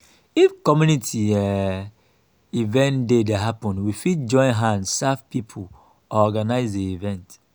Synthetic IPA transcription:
ifkɔmjunitʰiɛ | ivɛ̃ndedaɦapɔ̃nwifit̚d͡ʒɔ̃ɪ̃nɦãndsavpipʰu | ɔɔɡanaɪzeivɛ̃nt

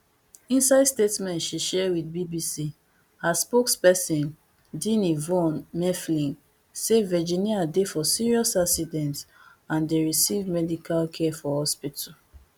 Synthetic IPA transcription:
ĩnsaɪdstetmɛ̃ntʃiʃɛwidbibisi | haspokspɛsĩn | dĩnivɔ̃nmɛflĩŋ | sevɛd͡ʒĩniadefɔsiɹiɔsaksidɛ̃nt | ãndeɹisivmɛdikʰalkʰɛfɔhɔspitɔ

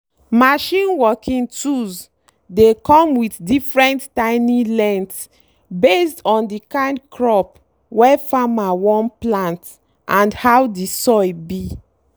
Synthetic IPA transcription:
maʃĩnwɔkʰĩŋtuz | dekɔ̃mwiθdifɹɛ̃ntːãɪnĩlɛ̃nts | bestɔ̃ndikãɪ̃ndkʰɹɔp | wɛfamawɔ̃nplãnt | ʔãndhawdisɔjbi

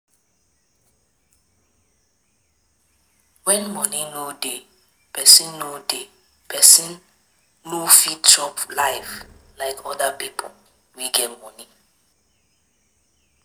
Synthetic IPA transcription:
wɛ̃nmɔnĩnude | pɛsĩnːude | pʰɛsĩn | nufitɔplajvlaɪkʰɔdapipʰɔl | wiɡɛtmɔnĩ

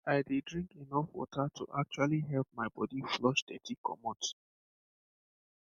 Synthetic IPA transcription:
aɪdidɹĩŋkenɔfwɔ̰tʰatʰuʔak̚t͡ʃualiɦɛlp̚maɪbɔdiflɔʃdɛ̰tʰikʰɔ̰mɔt

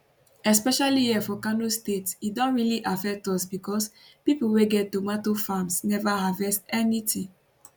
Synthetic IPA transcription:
ɛspɛʃaliɛfɔkanostetsidɔ̃nɹiliʔafɛk̚tɔsbikɔs | pipoweɡɛtomatofãmsnɛvahavɛstɛnitʰĩ

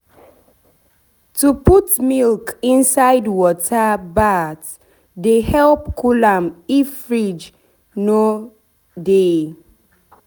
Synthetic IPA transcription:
tuputmilkĩnsaɪdwɔtʰabat | dehɛlp̚kʰulãmifɹid͡ʒ | no | de

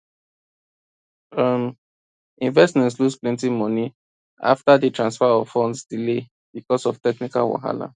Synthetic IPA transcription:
am | ĩnvɛsmɛ̃ntslusplɛ̃ntĩmɔni | a̰ftadətɹãnsfaɔvfɔ̃ndsdile | b̥ikɔsɔv̥tɛknikalwa̰ɦa̰la̰

